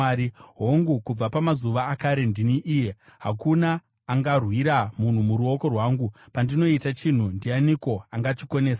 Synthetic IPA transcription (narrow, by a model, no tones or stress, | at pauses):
iɦo̞ŋɡukub͡vapamazuʋaːkaɾe̞ndiniʔiːje̞ɦa̰kunaː | ŋɡarwiɾamun̤umuɾuo̞ko̞rwaːŋɡu | pandino̞itat͡ʃin̤undianiko̞aŋɡat͡ʃiko̞ne̞ːsḁ